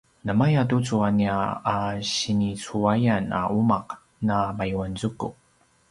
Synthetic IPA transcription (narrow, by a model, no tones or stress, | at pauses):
nəmajatut͡suaniaaɕinit͡suajana̰umaq | namajuanzuku